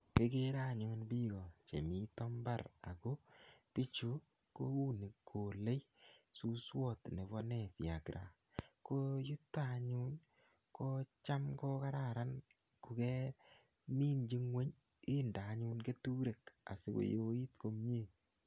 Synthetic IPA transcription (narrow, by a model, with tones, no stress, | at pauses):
ke˦ke˦ɾa˦˨ɲʊ˨˦nbi˦ɡɔ˨t͡ʃḛ˨mi˦tɔ˦mba˦ɾa̰˨ko˦pɪ˦t͡ʃo˦ | ko˦u˦ne˨ko˨le˦j | su˦swɔ˦˨tne˨bɔ˦nɛ˦˨pja˨kɾʔa̰˨ | ko˦ju˦tːa˦ɲʊ˦n | ko˦t͡ʃa˦mkɔ˦ka˦ɾa˨ɾa˦n | ku˨ke˦ | mi˦nd͡ʒi˦ŋwe˦ɲ | ɪ˦nda˨˦ɲu˦nke˦tu˦ɾe˨ka̰˨sḛ˨˦ko̰˨jo˦i˦tko˦m˦e˦˨